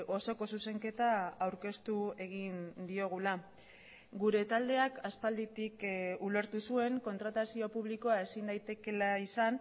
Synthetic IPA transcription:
ʔo̞so̞ko̞suse̞ŋke̞t̪aawɾke̞st̪ue̞ɣ̞ind̪io̞ɣ̞ula | ɡuɾe̞t̪ald̪e̞akaspald̪it̪ikule̞ɾt̪usue̞ŋko̞nt̪ɾat̪asio̞puβ̞liko̞ae̞sind̪ajt̪e̞ke̞laisan

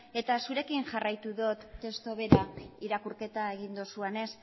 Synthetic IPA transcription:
e̞t̪asuɾe̞kinʝarajt̪uðot̪ːe̞st̪oβe̞ɾaiɾakuɾke̞t̪ae̞ɣind̪o̞suene̞s

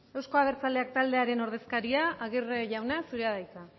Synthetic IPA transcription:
e̞wsko̞aβ̞e̞ɾt͡sale̞ak̚t̪ald̪e̞aɾe̞no̞ɾð̞e̞skaɾiaaɣirʝawnasuɾeaðajka

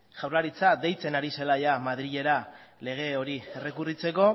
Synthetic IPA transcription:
ʝawrlaɾit͡sad̪e̞jt͡se̞naɾise̞laʝamað̞ɾiʎe̞ɾale̞ɣ̞e̞o̞ɾiere̞kurit͡se̞ko̞

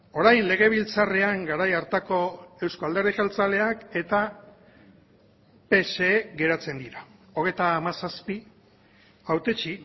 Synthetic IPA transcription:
o̞ɾajnle̞ɣe̞β̞ilt͡sareaŋɡaɾajaɾt̪ako̞e̞wskoald̪e̞rðixalt͡sale̞ake̞t̪a | pe̞se̞ːɣe̞ɾat͡se̞nd̪iɾao̞ɣ̞e̞jt̪aːmasaspi | awt̪et͡ʃi

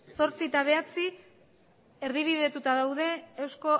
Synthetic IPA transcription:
so̞ɾt͡sit̪aβ̞e̞at͡si | eɾðiβ̞iðe̞t̪ut̪aðawðe̞ːwsko̞

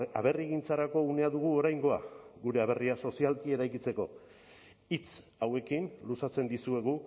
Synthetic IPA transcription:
aβe̞riɣint͡saɾako̞une̞aðuɣuo̞ɾajŋɡo̞a̰ɡuɾe̞aβ̞e̞riaso̞sialkie̞ɾajkit͡se̞ko̞ | it͡s | awe̞kinlusat͡se̞nd̪isue̞ɣ̞u

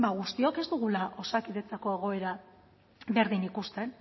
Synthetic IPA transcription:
baɣ̞ust̪io̞ke̞zd̪uɣ̞ulaʔo̞sakiðe̞t͡sako̞e̞ɣ̞o̞e̞ɾa | βe̞ɾðinikust̪e̞n

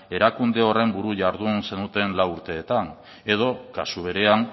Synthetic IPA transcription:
e̞ɾakund̪e̞o̞re̞mbuɾuʝaɾðunse̞nut̪e̞nlawuɾt̪e̞ːt̪an | e̞ð̞o̞kasuβ̞e̞ɾe̞aŋ

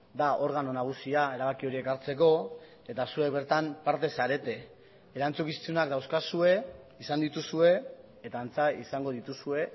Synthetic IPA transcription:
d̪aʔo̞ɾɣ̞ano̞naɣ̞usiae̞ɾaβakio̞ɾie̞kaɾt͡se̞ko̞ | e̞t̪asue̞k̚βe̞ɾt̪ampaɾt̪e̞saɾe̞t̪e̞ | eɾant͡sukist͡s̪iunakd̪awskasue̞ | isand̪it̪usue̞ | et̪aːnt͡saisaŋɡo̞ð̞it̪usue̞

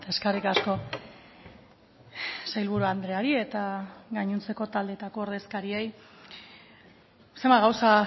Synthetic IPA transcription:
t̪eskarikasko̞ | sajlβ̞uɾuand̪ɾe̞aɾie̞t̪aɣaɲunt͡se̞ko̞t̪ald̪et̪ako̞oɾð̞e̞skaɾie̞j | se̞mbaɣawsa

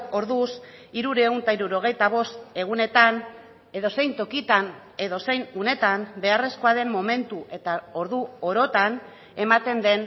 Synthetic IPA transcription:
o̞ɾðusiɾuɾe̞unt̪aiɾuɾo̞ɣ̞e̞jt̪aβ̞o̞st̪e̞ɣ̞une̞t̪an | e̞ðo̞se̞jnt̪o̞kit̪an | e̞ðo̞se̞jnune̞t̪ambe̞are̞sko̞aðe̞mːo̞me̞nt̪uʔe̞t̪ao̞ɾðuoɾo̞t̪an | e̞mat̪e̞nd̪e̞n

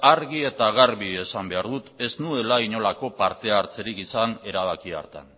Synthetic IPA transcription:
aɾɣie̞t̪aɣaɾβie̞sambe̞aɾðut̪e̞znue̞laiɲo̞lako̞paɾt̪e̞aɾt͡se̞ɾikisane̞ɾaβ̞akia̰ɾt̪a̰n

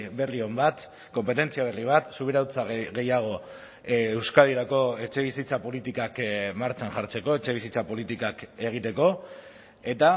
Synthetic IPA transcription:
be̞rio̞mbat̪ | ko̞mpe̞t̪e̞nt͡siaβ̞e̞riβ̞at̪suβ̞eɾawt͡saɣe̞jaɣ̞o̞ | ewskaðiɾako̞e̞t͡ʃe̞βisit͡sapo̞lit̪ikakmaɾt͡ʃanʝaɾt͡se̞ko̞e̞t͡ʃe̞βisit͡sapo̞lit̪ikake̞ɣ̞it̪e̞ko̞ | e̞t̪a

